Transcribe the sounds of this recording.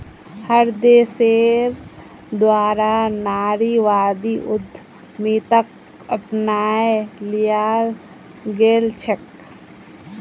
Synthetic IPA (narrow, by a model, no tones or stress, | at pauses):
həɾd̪eːseːɾ | d̪waːɾanaːɾiʋaːd̪iʔʊd̪ʱː | mit̪ək | əpnaːelijaːl | ɡeːlt͡ʃʰək